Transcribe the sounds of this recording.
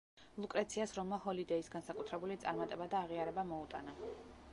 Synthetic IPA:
lˠukʼɾat̪sʰiasɾɔmahɔlid̪ɛisɡansakʼut̪ʰɾɛbulit̪sʼaɾmat̪ʼɛbad̪aːʁiaɾɛbamɔut̪ʼana

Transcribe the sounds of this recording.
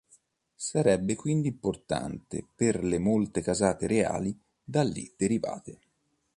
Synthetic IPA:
saɾɛbːekwind̪iimport̪a̰nt̪ḛperlemolt̪ekazaːt̪eɾea̰ːli | d̪alːḭd̪̥eɾiva̰ːt̪e

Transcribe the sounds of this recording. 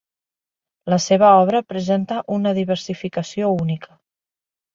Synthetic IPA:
ləseβ̞əɔβ̞ɾəpɾəzent̪əʔunəðiβ̞əɾsifikəsiounikʰə

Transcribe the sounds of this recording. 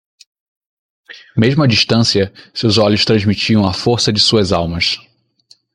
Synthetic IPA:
meʒmʊɐd͡ʒiʃt̪ɐ̃siɐsewzɔʎʊʃt̪ɾɐ̃zmit͡ʃiɐ̃w̃ɐfoɾsɐd͡ʒɪsuɐzawmɐs

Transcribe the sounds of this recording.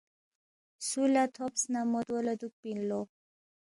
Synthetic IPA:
sulat̪ʰɔpsnamɔd̪wɔlad̪uk̚pinlɔ

